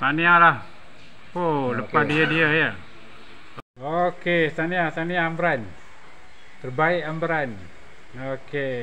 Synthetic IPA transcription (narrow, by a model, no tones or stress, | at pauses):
t̪anialah | poləpadiədiəjə | okest̪aniat̪aniambɾan | t̪ərbaɪʔambɾan | oke